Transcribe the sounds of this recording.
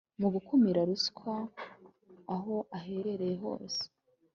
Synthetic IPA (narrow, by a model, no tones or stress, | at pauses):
muɡukʰumiɾaɾuskʰwa | ɦo̞ʔaɦe̞ɾe̞ɾe̞jeɦo̰ːse̥